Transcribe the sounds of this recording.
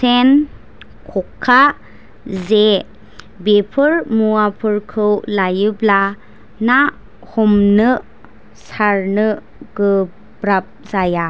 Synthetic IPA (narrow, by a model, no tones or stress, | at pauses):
sen | kʰɔkʰːa | ze | bepʰɯɾmuapʰɯɾkʰɯwlajɯbla | na | hɔmnɯ | saɾnɯ | ɡ̥ɯ | bɾap̚zaja